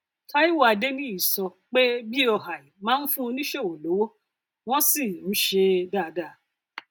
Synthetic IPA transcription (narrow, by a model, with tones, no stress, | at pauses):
ta˦i˦wa˧de˦nĩ˦i˨sɔ˧k͡pe˦bi˦ɔ˨ɦa˨i˨mãː˨˦n̩˦fũ˦o˧nĩ˦ʃe˦˨o˨lo˨˦wo˦ | w̃ɔ̃˦si˦˨ñ̩˦ʃe˧daː˦˨da˦˨˦